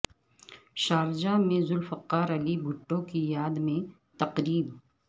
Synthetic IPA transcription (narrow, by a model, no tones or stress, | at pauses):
ʃaːɾd͡ʒamẽzʊlfɐqːaːɾɐlibʱʊʈːõkijaːd̪mẽ | t̪ɐqɾiːb